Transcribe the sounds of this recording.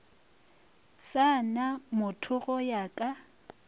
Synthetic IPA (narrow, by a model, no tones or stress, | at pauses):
sanamʊtʰʊɣɔjakʼa